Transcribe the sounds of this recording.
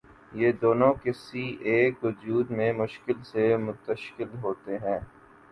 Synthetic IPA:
jeːd̪oːnõkɪsiʔeːkʋʊd͡ʒuːd̪mẽmʊʃkɪlsemʊt̪əʃkɪlɦoːt̪eɦɛ̃ː

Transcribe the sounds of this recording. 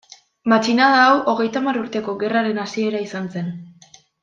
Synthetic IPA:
mat͡ʃinaðaːwʔo̞ɣ̞e̞jt̪amaruɾt̪e̞ko̞ɣe̞raɾe̞nasie̞ɾaisanse̞n

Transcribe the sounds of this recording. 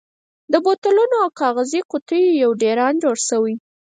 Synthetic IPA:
d̪əbot̪alunoawkɑɣaziqʊt̪əjjawɖeɾɑnd͡ʒoɽʃəwi

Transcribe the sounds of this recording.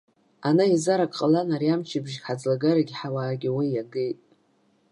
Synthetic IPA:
anaizaɾakʼqʼalanarijamt͡ʃʰɪbʒħad͡zlaɡaɾaɡʲiħawaːɡʲiwijaɡejtʼ

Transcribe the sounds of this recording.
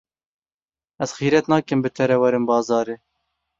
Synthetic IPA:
ɛz̥xiːɾɛt̪nɑːkɨmbɨt̪ʰɛɾɛwɛɾɨnbɑːzɑːɾeː

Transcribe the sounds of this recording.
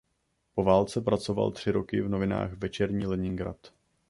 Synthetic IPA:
po̞vaːlt͡sɛpɾat͡so̞va̰lt̪r̥ɪɾo̞kɪvno̞vɪna̰ːxvɛt͡ʃɛɾɲiːlɛɲɪŋɡɾa̰t̪

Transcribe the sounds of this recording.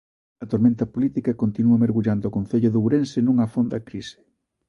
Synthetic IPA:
ɐt̪oɾmẽnt̪ɐpolit̪ikɐkont̪inuɐmeɾɣuʎand̪oːkõn̟θeʎʊðewɾensɪnũŋɐfond̪ɐkɾisɪ̥

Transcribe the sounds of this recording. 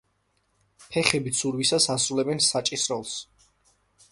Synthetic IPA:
pʰɛχɛbit̪sʰuɾwisasasɾulɛbɛnsat͡ʃʼisɾɔlˠs

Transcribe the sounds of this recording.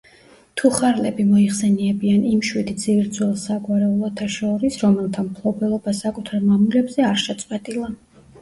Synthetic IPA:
t̪ʰuχaɾlɛbimɔiχsɛniɛbianimʃwid̪id̪ziɾd̪zwɛlˠsaɡwaɾɛulˠɔt̪ʰaʃɔɾisɾɔmɛlˠt̪ʰampʰlˠɔbɛlˠɔbasakʼut̪ʰaɾmamulɛbzɛaɾʃɛt̪sʼqʼwɛt̪ʼilˠa

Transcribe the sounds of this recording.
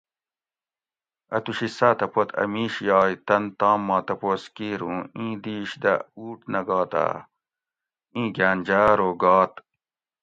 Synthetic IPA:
ɐ̰t̪uɕisaːt̪ɐpot̪ɐ̰miːɕjɑːjt̪ɐnt̪ɑːmːɑ̃ːt̪ɐpoːskiːɾũːĩːd̪iːɕd̪ɐ̰uːʈnɐɡɑːt̪a̰ | ĩːɡaːnʲd͡ʑaːɾoːɡɑːt̪

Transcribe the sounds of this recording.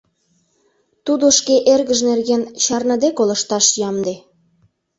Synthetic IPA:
t̪ud̪oʃkeʔerɣəʒnerɣent͡ɕɑrnɑd̪ekolə̆ʃt̪ɑʃjɑmd̪e

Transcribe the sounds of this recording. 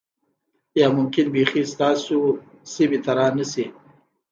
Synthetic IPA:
jɑmʊmkɪnbexist̪ɑːso | simet̪aɾɑnasi

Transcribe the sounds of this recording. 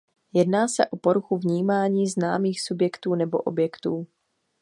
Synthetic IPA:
jɛdnaːsɛʔo̞poɾuxuvɲiːmaːɲiːznaːmiːxsubjɛkt̪uːnɛbo̰ʔobjɛkt̪uː

